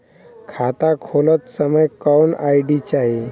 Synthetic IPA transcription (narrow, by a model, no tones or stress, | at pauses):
kʰat̪akʰolət̪səməjkawnajɖit͡ɕaɦi